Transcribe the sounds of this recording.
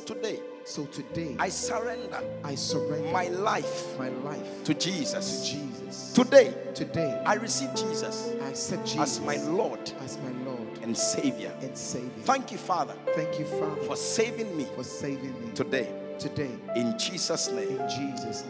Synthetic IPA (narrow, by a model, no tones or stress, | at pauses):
tʰudeɪ | soʊtʰɨdeaɪsəɹɛ̃ndə̰aɪsə˞ɛ̃maɪlaɪfmaɪlaɪftʰud͡ʒizəsd͡ʒizstudeɪtʰɨdeɪʔaɪɹisivd͡ʒizəsasɛd͡ʒazmaɪlɔd | zmaɪlɔdɛ̃nseɪvjə̰˞ɨ̃nsevəθæ̃ŋkjufaðə̰θæ̃ŋkjufaðəfɔseɪvɪ̃ŋmifɔseɪvɪ̃ŋmitʰudeɪ | tʰɨdeɪɪ̃nd͡ʒisəsnẽɪm̃d͡ʒizs